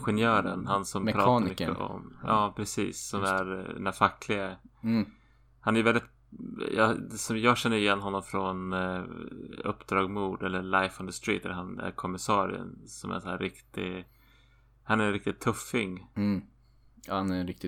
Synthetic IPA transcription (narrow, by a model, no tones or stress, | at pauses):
ɧɛnjœːɾənhansɔmpʰɾɑːaɾmʏkːəɔ̰mɑːpʰɾɛsḭːsːɔmæɾɛ̰næɾfakʰːlɪɡə | hanæɾjvɛlɪt̪ | jɑ̰d̪ɛsɔmjɑːɡɕɛnːəɾɪjɛnːɦɔnːɔmfɾɔn | ɵ̰pːd̪ɾɑːɡmuːd̪ɛlːəɾɭajfɔnd̪əst̪ɾḭːt̪ɛ̰ləɦanæ̰ɾkʰɔmːɪsɑːɾɪ̰ə̰nsɔmæ̰sæːɾɪkt̪ɪ | hanæɾɛnɾɪk̚t̪ɪt̪ʰːɵfːɪŋ | hanæɾɪk̚t̪ɪ